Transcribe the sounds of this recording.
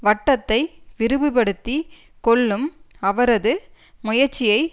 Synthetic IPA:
ʋɐʈːɐt̪ːɐɪʋɪɾɯbɯpɐɽɯt̪ːi | kɔɭːɯmɐʋɐɾɐðɯ | mʊjɐɾt͡ʃːɪjɐɪ

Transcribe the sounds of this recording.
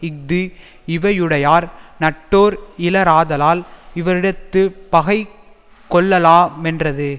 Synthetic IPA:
ɪk̚d̪ɯ | ɪʋɐjɯɽɐjaːɾnɐʈːoːɾɪlɐɾaːðɐlaːlɪʋɐɾɪɽɐt̪ːɯpɐɣɐɪ | kːɔɭːɐlaːmɛndrɐðɯ

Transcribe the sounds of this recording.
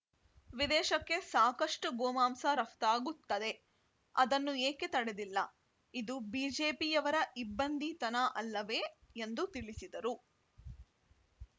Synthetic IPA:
ʋid̪ɛːʃɐkːe̞saːkɐʂʈuɡoːmaːmsɐɾɐft̪aːɡut̪ːɐd̪e̞ | ɐd̪ɐnːueːke̞t̪ɐɽed̪ilːɐ̰ | id̪ubiːd͡ʒeːpijɐʋɐɾɐʔibːɐnd̪ʱit̪ɐnɐʔɐlːɐʋe̞ːend̪ut̪iɭisid̪ɐɾu

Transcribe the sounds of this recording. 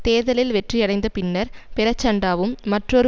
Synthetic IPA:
t̪eːðɐlɪlʋɛʈriɐɽɐɪnd̪ɐpɪnːɐɾpɪɾɐt͡ʃːɐɳɖaːʋɯmːɐʈrɔɾɯ

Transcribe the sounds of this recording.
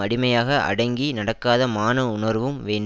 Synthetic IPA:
ɐɽɪmɐjaːɣɐʔɐ̰ɽɐŋɡinɐɽɐkːaːðɐmaːnɐʊnɐɾʋɯmʋeːɳ

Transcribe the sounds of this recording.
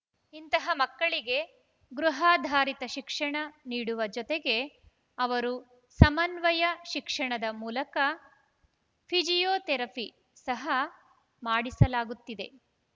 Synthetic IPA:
int̪ɐɦɐmɐkːɐɭiɡe̞ | ɡɾuɦaːd̪ʱaːɾit̪ɐʃikʂɐɳɐniːɽuʋɐd͡ʒɔt̪eɡe̞ | ɐʋɐɾu | sɐmɐnʋɐjɐʃikʂɐɳɐd̪ɐmuːlɐkɐ | pʰid͡ʒijoːt̪ɛɾɐpʰi | sɐɦɐ | maːɽisɐlaːɡut̪ːid̪e̞

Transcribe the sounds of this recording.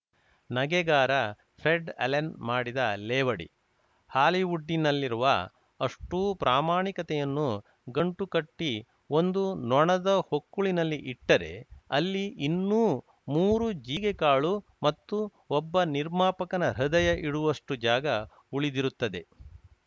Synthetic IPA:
nɐɡɛɡaːɾɐ | pʰɾeɖɐ̰lɐnmaːɽid̪ɐlɛːʋɐɽḭ | haːliʋuɖːinɐlːiɾuʋɐ | ɐʂʈuːpɾʔaːmaːɳikɐt̪ɛjɐnːu | ɡɐɳʈukɐʈːi | o̞nd̪unɔɳɐd̪ɐhokːuɭinɐlːiʔiʈːɐɾe̞̰ɐlːiinːuː | muːɾud͡ʒiːɡekaːɭumɐt̪ːu | ɔbːɐniɾmaːpɐkɐnɐɾɐd̪ɐjɐʔiɽuʋɐʂʈud͡ʒaːɡɐ | uɭid̪iɾut̪ːɐd̪e̞

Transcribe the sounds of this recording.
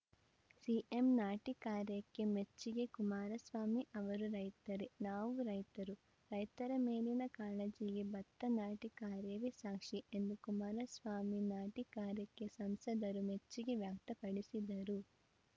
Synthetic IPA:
siʔe̞mnaːʈikaːɾjɐkːe̞met͡ʃːiɡe̞kumaːɾɐsʋaːmiʔɐʋɐɾuɾɐjt̪ɐɾenaːʋuɾɐjt̪ɐɾu | ɾɐjt̪ɐɾɐmeːlinɐkaːlɐd͡ʒiɡebɐt̪ːɐnaːʈikaːɾjɐʋesaːkʂie̞nd̪ukumaːɾɐsʋaːminaːʈikaːɾjɐkːe̞sɐmsɐd̪ɐɾumet͡ʃːiɡe̞ʋjaːk̚t̪ɐpɐɽisid̪ɐɾu

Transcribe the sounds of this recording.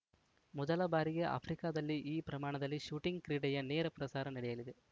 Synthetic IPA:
mɔd̪ɐlɐbaːɾiɡe̞ʔa̰pʰɾikaːd̪ɐlːiʔiːpɾɐmaːɳɐd̪ɐlːiʃuːʈiŋɡkɾiːɽɛjɐneːɾɐpɾɐsaːɾɐnɐɽɛjɐlid̪e

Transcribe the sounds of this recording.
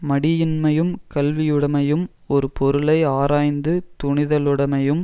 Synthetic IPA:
mɐɽɪjɪnmɐjɯmkɐlʋɪjɯɽɐmɐjɯm | ɔɾɯpɔɾɯlɐɪaːɾaːjnd̪ɯt̪ʊɳɪðɐlɯɽɐmɐjɯm

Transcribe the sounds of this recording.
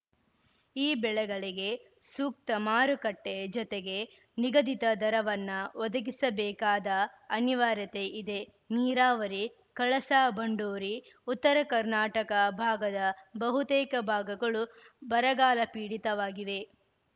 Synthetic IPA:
iːbɛɭɛɡɐɭiɡe̞ | suːk̚t̪ɐmaːɾukɐʈːed͡ʒɔt̪eɡe̞ | niɡɐd̪it̪ɐd̪ɐɾɐʋɐnːɐʋɔd̪ɐɡisɐbɛːkaːd̪ɐɐniʋaːɾjɐt̪e̞ʔid̪e̞ | niːɾaːʋɐɾi | kɐɭɐsaːbɐɳɖoːɾi | ut̪ːɐɾɐkɐɾnaːʈɐkɐbʱaːɡɐd̪ɐbɐɦut̪eːkɐbʱaːɡɐɡɐɭu | bɐɾɐɡaːlɐpiːɽit̪ɐʋaːɡiʋe̞

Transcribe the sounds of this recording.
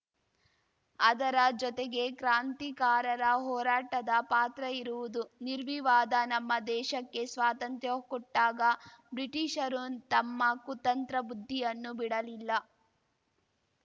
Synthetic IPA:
ɐd̪ɐɾɐd͡ʒɔt̪eɡe̞kɾaːnt̪ikaːɾɐɾɐɦɔːɾaːʈɐd̪ɐpaːt̪ɾɐiɾuʋud̪uniɾʋiʋaːd̪ɐnɐmːɐd̪ɛːʃɐkːe̞sʋaːt̪ɐnt̪jɐkɔʈːaːɡɐbɾiʈiʃɐɾut̪ɐmːɐkut̪ɐnt̪ɾɐbud̪ʱːijɐnːubiɽɐlilːɐ

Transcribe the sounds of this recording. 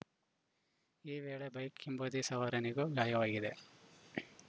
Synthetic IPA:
iːʋeːɭebɐjkʰimbod̪isɐʋɐɾɐniɡoɡaːjɐʋaːɡid̪e̞

